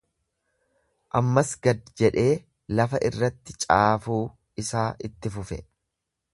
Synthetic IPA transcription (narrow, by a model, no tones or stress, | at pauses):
ʔɐmːɐsɡɐd̪d͡ʒɛᶑe̞ː | lɐfɐʔɪrːɐt̪ːɪ̥t͡ʃʼaːfuː | ɪsaːʔɪt̪ːɪfʊfɛ̰